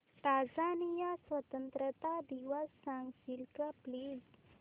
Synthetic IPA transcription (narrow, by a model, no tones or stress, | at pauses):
t̪ad͡zanijasʋət̪ənt̪ɾət̪ad̪iʋəsːaŋɡsilkapliz